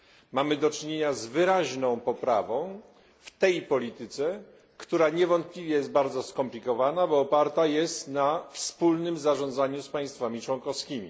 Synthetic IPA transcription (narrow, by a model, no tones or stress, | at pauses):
mamɘd̪ɔt͡ʂɘɲeɲazvɘɾaʑnɔ̃w̃pɔpɾavɔ̃w̃ | ft̪ɛjpɔlʲit̪ɘt̪sɛ | kt̪uɾaɲɛvɔnt̪̚plʲivʲjɛjɛst̪̚baɾd̪zɔskɔmplʲikɔvanabɔːpaɾt̪ajɛst̪nafspulnɘmzaʐɔ̃nd̪zaɲuspaj̃st̪famʲit͡ʂwɔnkɔfskʲimʲi